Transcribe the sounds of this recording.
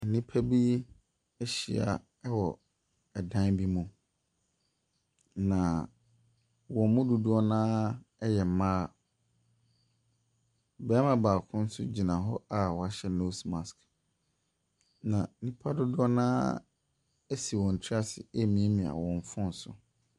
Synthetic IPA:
nĩ˦pʰa˦bi˦ | ɛ˦ɕi˨a̰˨˦ | wɔ˨ | ɛ˨dã˦nbi˦mũ˨ | nã˨ | wɔ̃˨mʊ̃˦dʊ˨dʊ˦ɔ˦nãː˦jɛ˨m˨mãː˦˨ | bɛː˦mã˨baː˨kʰʊ̃˦n̩˦sʊ̰˦d͡ʑi˨nã˨ɦɔ˦a˨wɔ˨a˦ɕɛ˦no˦sma˨sk | nã˨nĩ˦pʰa˦dʊ˦dʊ˦ɔ˦nãː˦ | ɛ˦si˨wɔ̃˨n̩˨tʰi˦a˦sɪ˨ɛ˦˨mĩ˨˦ɛ˦mĩ˨a̰˨wɔ̃˨ɱ˨˦fʊ̃˦n̩˨sʊ̰˨

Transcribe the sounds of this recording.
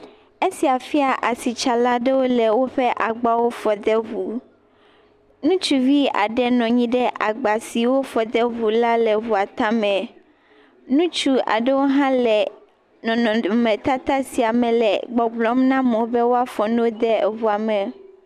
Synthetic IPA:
e˦si˨a˨fi˦a˨ʔa˨si˨t͡ʃa˨la˦ɖɛ˦wo˦lɛ˨wo˦ɸɛ˦ʔa˨ɡ͡ba˦wo˦fɔ˨d̪ɛ˦vu˨ | nũ˦t͡ʃu˦vi˦a̰˨ɖɛ˦nɔ̃˨ɲĩ˦ɖɛ˦ʔa˨ɡ͡ba˨si˨wo˦fɔ˨d̪ɛ˦vu˨la˦lɛ˨βu˨a˨t̪ã˦mɛ̃˨ | nũ˦t͡ʃu˦a̰˨ɖɛ˦wo˦ɦã˦lɛ˨ | nɔ̃˨nɔ̃˨mɛ̃˨t̪a˦t̪a˦si˨a˨mɛ̃˨lɛ˨ɡ͡bɔ˨ɡ͡blɔ˨˦mnã˦mõ˨˦bɛ˦wo˦a˦fɔ˨nõ˦d̪ɛ˦˨βu˨a˨mɛ̃˨

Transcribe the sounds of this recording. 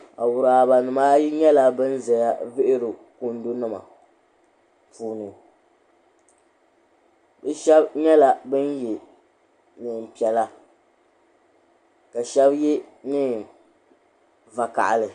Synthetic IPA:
a̰˨wʊ˨ɾa˨ba˨nɨ˨maː˦ji˦ɲɛ˦la˦bɨ˦n˦za˨ja˦vɪ˦ʔɪ˦ɾɨ˨ku˦n˦do˦nɨ˦ma̰˨ | pʰuː˦nɨ˨ | bɨ˦ʃɛ˦bɲɛ˦la˨bɨ˦njɛ˨ | nɨ˨m˨pi˨ɛ˨la˦ | ka˨ʃɛ˦bji˦ | nɨ˦ | va˨ka̰˨ʔa̰˨lɨ˨

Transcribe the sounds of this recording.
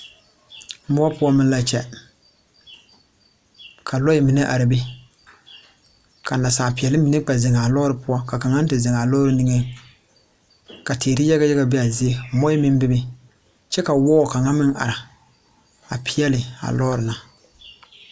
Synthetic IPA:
mʊ˦ɔ˦pʊ˦ɔ˦mɪ˦n˦la˦t͡ʃɛ˨ | kʰa˨lɔ˦jɪ˦mi˨ne˦ʔa̰˨ɾɪ˨bɪ˦ | ka˨n˨da˨saː˨pi˨ɛ˨lɪ˦mi˨ne˦k͡pa˨zɪ˨ŋa˨lɔ˦ɾɨ˨pʊ˦ɔ˦ka˨ka˨ŋa˦n̩˦tɪ˨zɪ˨ŋa˨lɔː˦ɾɨ˦ni˦ŋe˦ | ka˨teː˨ɾɪ˦ja˦ɣa˦jɛ˦ɡa˨be˦a˨zɪ˦e˦mɔ˦ɪ˦mɪ˦m˦bɪ˦bɪ˦ | t͡ʃɛ˦ka˨wɔː˦˨ka˨ŋa˦mɪ˦ŋʔa̰˨ɾa˨ | a̰˨pʰi˦ɛ˦lɪ˨a̰˨lɔ˦ɾɪ˨na˨

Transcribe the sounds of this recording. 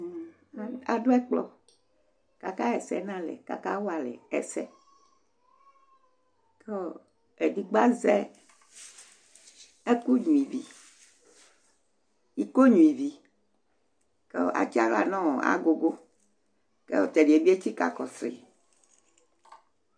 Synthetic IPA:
a˨do˦ɛ˦k͡plɔ̰˨ | ka˨ka˦ɛ˨sɛ̰˦nã˦lɛ̰˨ka̰˨ka˦wo˦a˨lɛ̰˨ɛ̰˨sɛ˦ | ke˦o˦˨ | e˨di˨ɡ͡ba˦zɛ˦ | e˦ku˦ɲũ˨i˨vi˨ | i˨ko˦ɲũ˨i˨vi˨ | ke˦ʔa̰˦t͡ʃi˦a˦la˨nɔ̃˦˨a̰˨ɡo˨ɡo˦ | kḛ˦wo˦˨t̪e˨ɖi˨e˨bi˦e˦t͡ɕi˦ka̰˨kɔ˨sɾḭ˨

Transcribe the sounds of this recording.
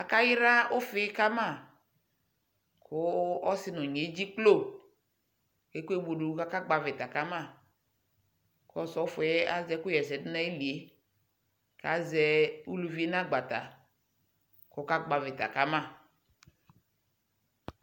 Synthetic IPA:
a˨ka˦jɪ˦ɾa˦ʊ˦fɪ˦ka˦ma˦˨ | kʊ˦ɔ˦sɪ˦nɔ˨ɲ˨e˨˦d͡ʒi˦k͡plo˦˨ | ke˦ku˦e˦bo˨du˨˦ka˦ka˦ɡ͡ba˨vɪ˨ta˨ka˦ma˦˨ | kɔ˦sɔ˨˦fʊ˨˦ɛ˦a˦zɛ˦kʊ˦jɛ˨sɛ˨dɪ˦na˦e˦li˨e˨˦ | ka˨˦zɛ˦u˦lu˨vi˦e˦na˦ɡ͡ba˨ta̰˨ | kʊ˦ka˦ɡ͡ba˨vɪ˨ta̰˨ka˦ma˦˨

